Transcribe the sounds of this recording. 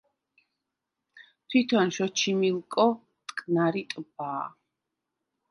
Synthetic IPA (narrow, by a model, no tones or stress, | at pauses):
t̪ʰwit̪ʰɔnʃɔt͡ʃʰimilˠkʼɔ | t̪ʼkʼnaɾit̪ʼbaː